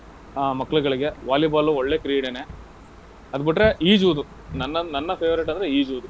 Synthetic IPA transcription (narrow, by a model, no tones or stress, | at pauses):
amɐkːɐɭuɡɐɭiɡe̞ʋaːlibaːluoɭːeːkɾiːɽene | ɐd̪ubiʈɾe̞ʔiːd͡ʒuʋd̪u | nɐnːɐnɐnːɐpʰeːʋɐɾeʈ̬ːɐnd̪ɾeiːd͡ʒuʋd̪u